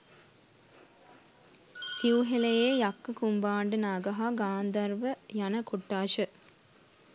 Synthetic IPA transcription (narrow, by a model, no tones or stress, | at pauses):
siʋuɦelejejɐkːəkumbaːɳɖənaːɡɐɦaːɡaːnd̪ɐɾʋəjɐnəkuʈːaːʃə